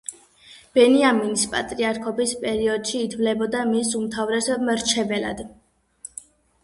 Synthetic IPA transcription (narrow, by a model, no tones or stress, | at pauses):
b̥ɛniaminispʼa̰t̪ʼɾiaɾkʰɔbispʼɛɾiɔd̪̥ʃiːt̪ʰvlɛbɔd̪amisumt̪ʰavɾɛsɔbmɾt͡ʃʰɛbɛla̰d̪̥